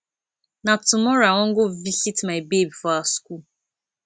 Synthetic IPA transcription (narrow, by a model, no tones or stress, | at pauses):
natʊmɔɾaɔŋ̩ɡʊvisitmaebebifɔaskul